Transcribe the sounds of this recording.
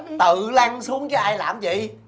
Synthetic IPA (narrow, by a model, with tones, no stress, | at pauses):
t̪ɨ̰˧˨la˧ŋsu˨˦əŋkaː˨˦jʔaː˧jlaː˨˩mvḭ˧˨